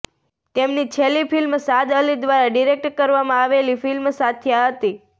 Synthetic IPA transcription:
t̪emnit͡ʃʰelːifilmsad̪əlid̪ʋaɾaɖiɾek̚ʈkəɾʋamãaʋelifilmsat̪ʰjaɦət̪i

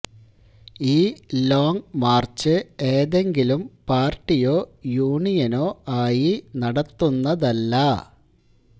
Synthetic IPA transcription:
iːlo̞ːŋmaːrt͡ɕɨe̞ːðe̞ŋɡilumpaːrʈːijoːjuːɳijɐno̞ːaːjinɐɽɐt̪ːunːɐðɐlːɐ

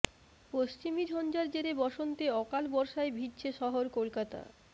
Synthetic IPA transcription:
post͡ɕimid͡ʑʱɔnd͡ʑaɾd͡ʑeɾebɔʃont̪eɔkalbɔɾʃaebʱid̪t͡ɕʰeʃɔɦoɾkolkat̪a̰

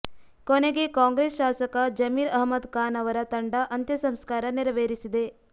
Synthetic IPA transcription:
koneɡe̞kaːŋɡɾesʃaːsɐkɐd͡ʒɐmiːɾɐɦmɐd̪kaːnɐʋɐɾɐt̪ɐɳɖɐʔɐnt̪jɐsɐmskaːɾɐniɾɐʋeːɾisid̪e̞

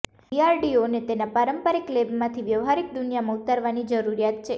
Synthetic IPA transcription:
iaɾɖionet̪enapaɾəmpəɾiklebmãt̪ʰiʋjəʋɦaɾik̚d̪unijamãut̪əɾʋanid͡ʒəɾuɾijat̪̚t͡ʃʰe

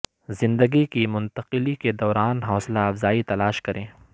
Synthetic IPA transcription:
zɪ̃nd̪əɡikimʊ̃nt̪ɐqɪliked̪ɔːɾaːnɦɔːslaɐfzaːit̪ɐlaːʃkɐɾʔẽː

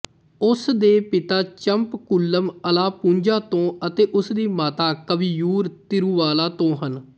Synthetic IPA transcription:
ʊsd̪eːpɪt̪aːt͡ʃəmpkʊlːəməlaːpũɲd͡ʒaːt̪õːət̪eːʔʊsd̪iːmaːt̪aːkəʋiːjuːɾt̪ɪɾũːʋaːlaːt̪õːɦən

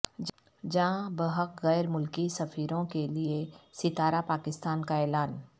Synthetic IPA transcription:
d͡ʒãːbəɦəqɣɛːɾmʊlkisɐfiːɾõkeliesɪt̪aːɾapaːkɪst̪aːnkaɛːlaːn

